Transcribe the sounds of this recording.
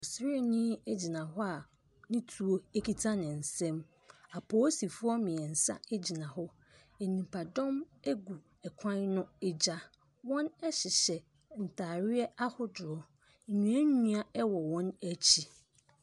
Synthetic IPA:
ɔ˨sɪ˦nɪ̃˦e˦d͡ʑi˨nã˨ɦʊ˦a˨ | nɪ̃˦tʰu˨o˦e˦kʰi˦tʰa˦nɪ̃˨n̩˨sɛ̃˦m | a˨pʰɔ˦si˨fʊ˦ɔ˦mɪ̃˨ɛ˨n̩˨sa̰˦e˦d͡ʑi˨nã˨ɦʊ˦ | e˨nĩ˨pʰa˨dɔ̃˦m | e˦ɡu˨ | ɛ˨kʷʰã˦n˦nʊ̃˦ɛ˦d͡ʑa˦ | wɔ̃˦nɛ˦ɕɪ˨ɕɛ˨ | n̩˨tʰaː˨ɾɪ˦ɛ˦a˦hʊ˦dʊ˨ɾɔ˨˦˨ | ɲũ˨æ˦ɲũ˦a˨ɛ˦wɔ˨wɔ̃˦næ˦t͡ɕʰi˦

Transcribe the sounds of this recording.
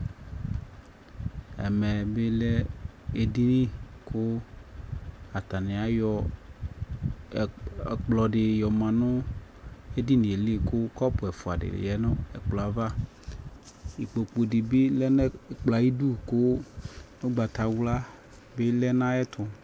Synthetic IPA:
ɛ̰˨mɛ˨be˦lɛ˦e˨di˦nĩ˦kʰʊ˦ | a˨t̪a˨nɪ̃˨a˨jɔ˦˨ | k͡plɔ˨ɖɪ˨jɔ˨mã˨nʊ̃˦ | e˦di˦nĩ˨e˨li˦˨kʊ˦kɔ˦pʊ˨ɛ˨fʊ˨a˨ɖɪ̰˨jɛ˨nʊ̃˦ɛ˨k͡plɔ˨a˨va˦ | i˨k͡po˨k͡po˨di˨bi˦lɛ˦nɛ˦˨k͡plɔ˨a˨ji˦du˦˨kʊ˦no˦ɡ͡ba˨t̪a˨wu˦la˦ | be˦lɛ˦nã˦ɛ˦t̪ʰʊ˦

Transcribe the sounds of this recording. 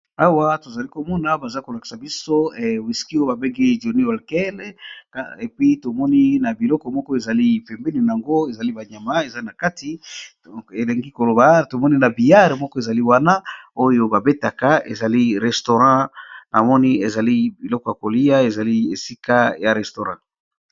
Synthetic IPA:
a˦wa˦to˨za˨li˦ko˨mɔ˦na˨˦ba˨za˦i˦ko˨la˨ki̥˨sa˨bi˦so˦˨wi˨ski˦o˦jo˦ba˨be˦ŋɡi˦ʒo˨ni˦wa˨lkɛ˦l | e˨pi˦to˨mɔ˦ni˦na˨bi˨lɔ˦kɔ˨mɔ˦kɔ˦e˨za˨li˦pɛ˨mbe˦ni˨na˨a˨ŋɡo˦e˨za˨li˦ba˨ɲa˨ma˦e˨za˦na˨ka˦ti˨ | e˨le˨ŋɡi˦ko˨lo˨ba˨to˨mɔ˦ni˦na˨bi˨ja˦ʁe˨mɔ˦kɔ˦e˨za˨li˦wa˦na˦o˦jo˦ba˨be˦ta˨ka˨ḛ˨za˨li˦ʁɛ˨sto˨ʁã˦na˨mɔ˦ni˦e˨za˨li˦bi˨lɔ˦kɔ˨ja˨ko˨li˦ja˦e˨za˨li˦e˨si˦ka˦ja˨ʁɛ˨sto˨ʁã˦

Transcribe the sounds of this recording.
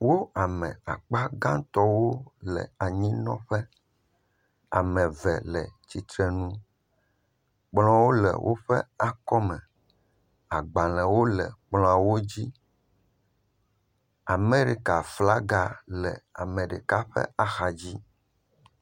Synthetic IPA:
wo˦a˨mɛ̰̃˨a˨k͡pa˦ɡã˦t̪ɔ˦wo˦lɛ̰˨a˨ɲĩ˦nɔ̰̃˦ɸɛ˦ | a̰˨mɛ̃˨vɛ˨lɛ˨t͡ɕi˨t̪ɾɛ˨nũ˦ | k͡pl̃ɔ̃˦wo˦lɛ̰˨wʔo̰˦ɸɛ˦a˨kɔ˦mɛ̃˨ | a˨ɡ͡ba˨lɛ̃˨wo˦lɛ˨k͡pl̃ã˨wo˦d͡ʑi˦ | a˨me˦ɾi˨ka˨fla˦ɡa˦˨lɛ̰˨a˨mɛ̃˨ɖe˨ka˦ɸɛ̰˦a˨xa˨d͡ʑi˦

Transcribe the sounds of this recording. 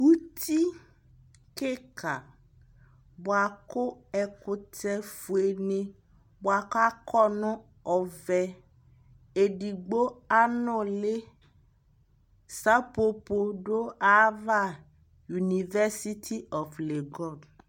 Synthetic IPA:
wu˦t̪ʰi˦ | ke˦ka˨ | bo˨a˨kʊ˦ɛ˨kʊ˨tɛ˦fu˨e˨ne˦ | bo˨a˨ka˦kʰɔ˦nʊ̃˦ | ɔ˨vɛ˨ | e˨ɖi˨ɡ͡bo˦a˦nʊ̃˦le˦ | sa˦po˦po˦ɖo˦a˦va˦˨ | ju˨ni˨vɛ˦si˦t̪ʰi˦ɔ˨fle˨ɡɔ˦˨d

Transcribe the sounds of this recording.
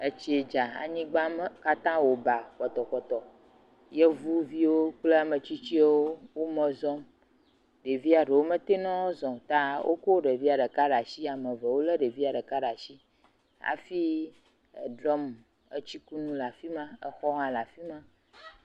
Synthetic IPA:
e˦t͡ʃi˦e˨d͡ʒa˨a̰˨ɲĩ˦ɡ͡ba˦m˦ka˦t̪ã˦wo˨ba˨k͡pɔ˨t̪ɔ˨kɔ˨t̪ɔ˨ | je˦vu˦vi˦wo˦k͡ple˦a˨mẽ˨t͡ɕi˦t͡ɕi˦wo˦wo˦mɛ̃˨zɔ̃˦m | ɖe˨vi˦a˨ɖe˨wo˦mẽ˦t̪e˦nɔ̃˦wzɔ̃˨t̪a˦wʔo̰˦ko˦ɖe˨vi˦a˨ɖə˨ka˦ɖa˨si˦a˨mə̃˨vɛ˨wo˦le˦ɖe˨vi˦a˨ɖe˨ka˦ɖa˨ʃi˦ | a̰˨fi˦˨ | ɖɾɔ˦m | ə̰˦t͡ɕi˦ku˦nũ˦la˨fi˦mã˦ɛ˦xɔ˦ɦã˨la˨fi˦mã˦

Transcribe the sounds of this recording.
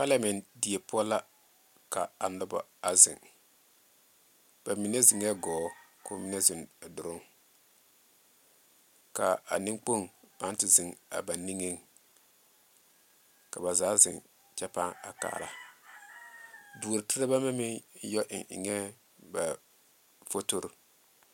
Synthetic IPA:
pa˦lɛ˦mɛ˨ndi˨e˨pʊ˦ɔ˦la˦ | ka˨a˨nɔ˦ba̰˦a˨zɪ̰˨ŋ | b̥a˨mi˨ne˦zɪ˨ŋɛ˦ɡɔː˨˦ko˦mi˦nɛ˦zɪ˨n˨dʊ˨ɾʊ˦ŋ | ka̰˨a̰˨nɪ˦ŋk͡po˦ŋba˨˦n˦tɪ˨zɪ˨ŋa̰˨ba˨nːi˦ŋi˦ŋ | ka˨ba˨zaː˨˦zɪ̰˨ŋ | t͡ʃɛ˦pa˦ŋa̰˨ka̰ː˨ɾa̰˨ | du˨ɾtɪ˦ɾa˦ba˦mɛ˦mɪ˦jɔ˦ʔɪ̰˨ʔɲɛ˦ | ba˨ | fo˦to˦ɾ

